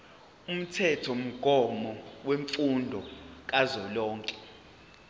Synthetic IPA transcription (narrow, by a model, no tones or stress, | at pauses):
um̩tʰɛtʰɔm̩ɡ̥ʱɔmɔweɱfundʱɔk̬ʼazɔlɔːŋkʼɛ